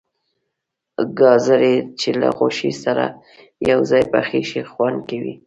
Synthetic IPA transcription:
ɡɑzaɾet͡ʃela̰ɣoʃisaɾa̰ | jawzɑjpaxiʃixwand̪̚kawḭ

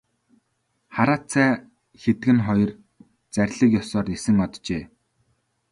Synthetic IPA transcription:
χaɾaːt͡sʰæː | xet̪ɡɘ̆nχɔjɞ̆r | t͡sæɾʲɮə̆kjɔsɔːrnesɘ̆ŋɔt̪t͡ɕeː

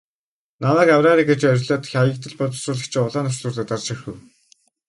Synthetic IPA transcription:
namæːkawraːɾiːɡet͡ɕœɾʲɮaːt̪̆xʲajə̆k̚t̪ɘ̆ɮpʊt͡s̪sʊːɮə̆xt͡ɕʰɪ̆ʊɮaːnʊ̥t͡ɕɮʊːrɮăt̪art͡ɕɪ̆xuw

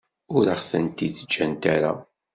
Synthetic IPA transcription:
ʊɾaχθənt̪iðəd͡ʒːænt̪aɾa̰

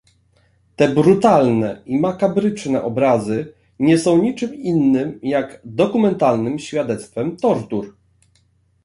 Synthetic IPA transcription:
t̪ɛbɾut̪alnɛimakabɾɘt͡ʂnɛʔɔbɾazɘ | ɲɛsɔ̃w̃ɲit͡ʂɘminːɘmjaɡd̪ɔkumɛnt̪alnɘmɕfʲjad̪ɛt̪st̪fɛmt̪ɔɾt̪uɾ

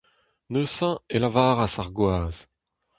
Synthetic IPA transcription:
nøsɑ̃elavaːʁasaʁɡwaːz

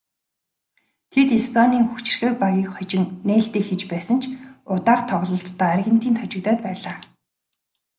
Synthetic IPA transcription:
t̪ʰet̪ispʰaniːŋxut͡ɕɪ̆rxĕk̚paɣʲiːkχɔt͡ɕɪ̆ŋneːɬt̪iːkxet͡ɕpæːsə̆nt͡ɕʰʊt̪aːrt̪ʰɔʁɮɞ̆ɬt̪ːœːæɾɣɘ̆n̥t̪ʰiːnt̪ʰɔt͡ɕɪ̆kt̪œːt̪̚pæːɮaː

